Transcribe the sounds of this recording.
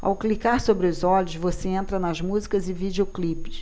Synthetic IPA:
a̰wklikaɾsobɾɪʊzɔlʲʊsvoseẽnt̪ɾɐnɐzmuzikɐzɪvid͡ʒioklipɪ̥s

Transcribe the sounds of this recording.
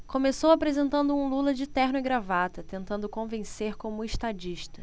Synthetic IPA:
kõmesowapɾezẽnt̪ɐ̃nd̪ʊũlulɐd͡ʒɪt̪ɛhnʊiɡɾavat̪ɐt̪ẽnt̪ɐ̃nd̪ʊkõvẽseɾkõmʊeʃt̪ad͡ʒiʃt̪ɐ

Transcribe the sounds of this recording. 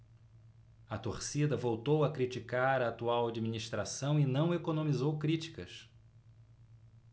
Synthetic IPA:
ɐt̪oɾsid̪ɐvowt̪owɐkɾit͡ʃikaɾɐːt̪uawad͡ʒiminiʃt̪ɾasɐ̃w̃ɪnɐ̃w̃ekonõmizowkɾit͡ʃi̥kɐs

